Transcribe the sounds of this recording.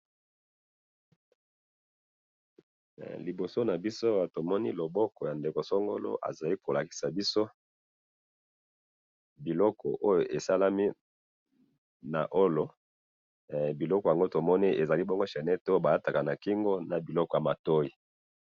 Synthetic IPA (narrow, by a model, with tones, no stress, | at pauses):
li˨bo˨so˦na˨bi˦so˦a˨to˨mɔ˦nḭ˦lo˨bɔ˦kɔ˨ja˨nde˨ko˨so˦ŋɡo̰˦lo̰˦ʔa̰˨za˨li˦ko˨la˨ki̥˨sa˨bi˦so˦ | bi˨lɔ˦kʰɔ˨ʔo˦jo˨ʔe˨sa˦la˦mi˦ | na̰˨ʔo˦lo˨ | bi˨lɔ˦kɔ˨ja˨ŋɡo˦to˨mɔ˦ni˦ʔe˨za˨li˦bɔ˦ŋɡo˦ʃa˨nɛ˦to˦jo˦ba˨a˦ta˨ka˨na˨ki˦ŋɡo˦na˨bi˨lɔ˦kɔ˨ja˨ma˨to˦i˨